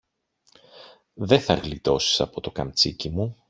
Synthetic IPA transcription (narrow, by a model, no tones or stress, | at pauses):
ðe̞θɐɣlit̪o̞si̥sɐpo̞t̪o̞kɐmt͡sicimu